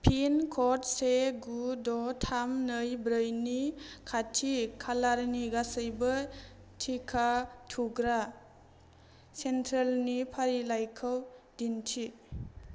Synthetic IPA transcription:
pʰinkʰɔt̚seɡudɔtʰamnəjbɾəjnikʰatʰikʰalaɾniɡasəjbɯ | tʰikʰatʰuɡɾa | sentʰɾelnipʰaɾilajkʰəwdintʰi

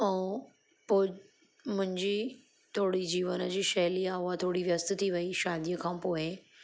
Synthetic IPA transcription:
ɛ̃ | poːɪ | mʊ̃ɦɪ̃ɲd͡ʑi | t̪ʰoːɽid͡ʑiːʋənə̆d͡ʑiːʃɐɦlijaɦʊat̪ʰoːɽiʋjəst̪t̪ʰiʋɐiʃaːd̪ijəkʰãːpoːɪ

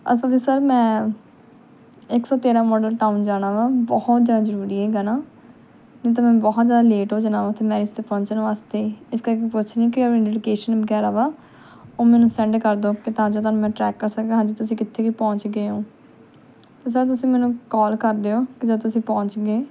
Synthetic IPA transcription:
ə̰səld̪iːsəɾmɛ̃ː | ɪksɔːt̪eːɾãːmɔːɖəlʈaːund͡ʒaːɽ̃aːʋaːbɔht̪d͡ʒaːd̪aːzəɾuːɾiːɛːɡaːnaː | nĩːt̪̬aːmɛ̃ːbɔɦɔt̪d͡ʒjaːd̪aːleːʈoːd͡ʒənãːʋaːt̪ʰeːmɛːɾɪst̪eːpɔ̃ːɲt͡ʃːnːʋaːst̪eːiːɪskəɾkepʊt͡ʃʰnĩːkɪɖelɪkeːʃənbəɡɛːɾaːʋaː | oːmɛːnũːsɛ̃ɳɖkəɾd̪oːkɪt̪ãːd͡ʒoːt̪aːnũːmɛ̃ːʈɾɛːkːəɾsək̪̚ːɦãːd͡ʒiːt̪ʊs̬ĩːkɪt̪ʰːeːkiːpɔ̃ːɲt͡ʃɡeːoː | t̪eːs̬əɾt̪ʊsĩːmɛːnũːkɔːlkəɾd̪eːoːkɪd͡ʒat̪ʊsĩːpɔ̃ːɲt͡ʃɡeː

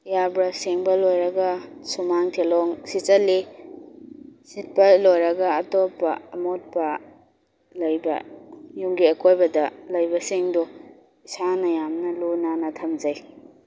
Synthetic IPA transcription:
jabɾɐseŋbɐlojɾɐɡɐsumaŋtʰelɔŋsit͡ʃɐli | sit̚pɐlojɾɐɡɐːtopːɐ̰ɐmot̚pɐ | lɐjbɐ̰juŋɡiɐkʰojbɐdɐlɐjbɐseŋdɔ | isanɐjamnɐlunanɐtʰɐmd͡ʒɐj

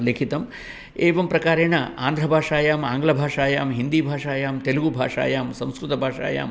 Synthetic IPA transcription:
lekʰit̪ɐm | eːʋɐmpɾɐkaːɾeːɳɐaːnd̪ʱɾɐbʱaːʂaːjaːmaːŋɡɐlɐbʱaːʂaːjaːmɦind̪iːbʱaːʂaːjaːmt̪eluɡubʱa̰ːʂa̰ːjaːmsɐ̃w̃skɾut̪ɐbʱaːʂa̰ːja̰ːm

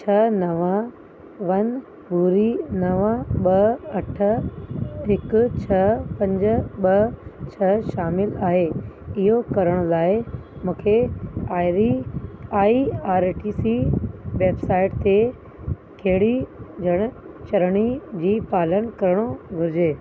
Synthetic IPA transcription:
t͡ɕʰɐnɐʋã | ʋɐn | buːɾinɐʋãɓɐɐʈʰə | ɦɪkʊt͡ɕʰɐpɐ̃ɲd͡ʑə̆ɓɐt͡ɕʰɐʃaːmɪlaːɦeɪɦokɐɾəɽ̃ʊlaːɪmũːkʰeaːɪɾiaːiaːɾʈiːsiʋeːbsaːɪʈt̪e | kɐɦɪɽid͡ʑʱɐɽ̃ʊ̆ | t͡ɕɐɾɽ̃id͡ʑiːpaːlənkɐɾəɽ̃oɡʱʊɾɪd͡ʑeː

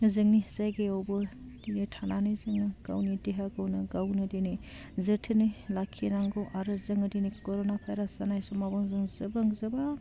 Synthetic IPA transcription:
zɯŋnizajɡeowbɯd̥inejtʰananɯjzɯŋnɯɡ̥a̰wnideɦaɡawnɯɡawnɯdini | zɯtʰɯnɯjlakʰienaŋɡɔwʔaɾɯzɯŋɯdinikɔɾonapʰajɾasanajsɔmabɔŋzɯŋzɯbaŋzɯba

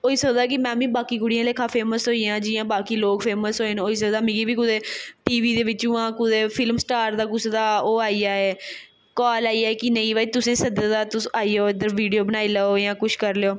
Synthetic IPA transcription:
oːisəkd̪aːk̬ɪmɛ̃ːmĩːbaːkiːkʊɽijãːleːkʰãːpʰeːməsɦoːiːãːd͡ʒɪjãːbaːkiːloːkpʰeːməsɦoːenoːiːsəkd̪aːmɪ̃ːɡiːbiːkʊd̪eːʈiːʋiːd̪eːʋɪt͡ʃũːãːkʊd̪eːpʰɪlmsʈaːɾd̪aːkʊsd̪aːoːaːiːaːeː | kɔːlaːiːaːeːkinəĩːʋaːt̪ʊsẽːsəd̪əd̪aːt̪ʊsaːiːoːɪd̪əɾʋiːɖijoːbənaːiːlaoːjãːkʊt͡ʃʰkəɾleoː

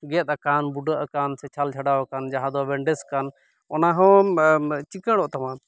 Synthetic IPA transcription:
ɡɛt̪̚ˀakanbuɖəʔakansɛt͡ʃʰalt͡ʃʰaɖawakand͡ʒaɦãd̪ɔbɛɳɖɛskan | ɔnaɦɔ̃ | t͡ʃikəɽ̃ɔʔt̪amã

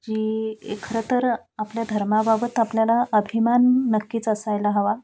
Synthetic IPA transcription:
d͡ʑiḛkʰɾət̪əɾ | apljad̪ʱəɾmababət̪apljalaəbʱimanːəkːiːt͡səsajlaɦəʋa

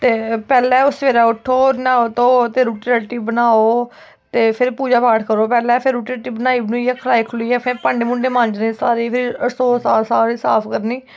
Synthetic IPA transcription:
t̪eːpɛːlɛ̃ːʊsʋeːɾaːʊʈʰːoːɾnaːoːt̪õːt̪eːɾuːʈiːɛːʈiːbənaːoː | t̪eːpʰɪɾpuːd͡ʒaːpaːʈʰkəɾoːpɛːlɛ̃ːpʰɪɾːuːʈieːʈiːbənaːiːbənũiɛːkʰəlaːiːkʰʊliːɛːpʰɪɾpaɳɖeːmʊ̃ɳɖeːmãːnd͡ʒnẽːsaːɾiːpʰɪɾəsoːsaːsaːɾiːsaːpʰkəɾniː

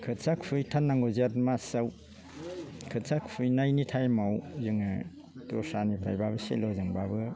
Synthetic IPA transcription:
kʰɯtsakpʰujtʰanːaŋɡozatmasaw | kʰɯtsʰakʰpʰujnajnitʰajmawzɯŋa | tɔsanibʰɾa̰jbabɯsḛlɔzɯŋbabɯ

